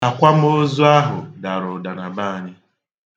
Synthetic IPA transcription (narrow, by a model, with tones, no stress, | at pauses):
a˨kʷa˦m̩˦o˦zʊ˦a˦ɦʊ˨da˨ɾʊ˨da˨na˨ba˦a˨ɲɪ˦